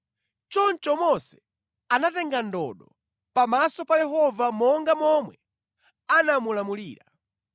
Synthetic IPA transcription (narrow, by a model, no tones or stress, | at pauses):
t͡ʃɔnt͡ʃɔmɔsɛ̥ | anatɛŋɡandɔ̰ɗɔ | pamasɔpajɛɦɔvamɔŋɡamɔmwɛ | anamulamuliːɾa